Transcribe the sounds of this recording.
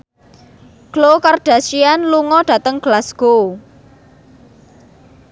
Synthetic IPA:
ɡ̥lokarɖ̥a̤sianluŋɔɖ̥a̤t̪əŋɡ̥lasɡ̥o

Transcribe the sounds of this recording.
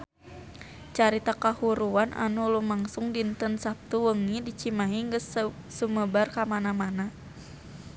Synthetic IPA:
t͡ʃaɾit̪akahuɾuanʔa̰nulumaŋsʊŋdint̪ənsap̚t̪uwəŋidit͡ʃimaɦiŋɡəsː | uməbarkamanamana

